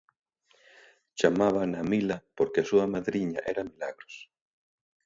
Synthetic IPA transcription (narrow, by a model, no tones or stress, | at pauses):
t͡ʃamaβ̞anamilapoɾkeasuamaðɾiɲa̰ʔɛɾamilaɣɾos